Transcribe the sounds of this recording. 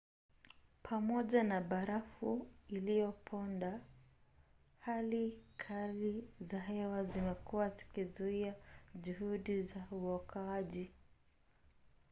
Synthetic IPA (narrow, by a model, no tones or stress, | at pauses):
pʰamɔʄanaɓaɾafuilijɔpʰɔnda | halikʰalizaɦɛwazimɛkuwazi̥kizuiaʄuhuɗizauɔkʰaaʄi